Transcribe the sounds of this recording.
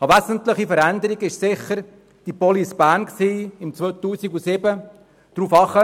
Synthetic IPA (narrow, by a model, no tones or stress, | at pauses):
ɑʋæzəntləχifəɾænd̪əɾiɡɪʃsɪχəɾ | d̥ipɔlisb̥æːnksiːɪmt͡sʋot̪uːsiɡusɪbə | d̥ruːfɑχə